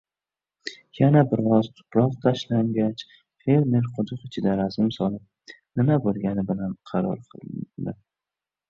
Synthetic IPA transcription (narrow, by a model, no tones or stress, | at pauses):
janabɪɾɒzt̪ʰʊ̥pɾɒq̚t̪ʰaʃlaŋɡʲat͡ʃ | fe̞ɾme̞ɾqʰʊd̪ʊqɪt͡ʃʰɪd̪aɾazɪmsɒlˠɪp̚ | nɪmabolˠɡʲanɪbɪlanqʰɑɾɒ̰ɾqʰɨ̰lˠd̪ɪ̰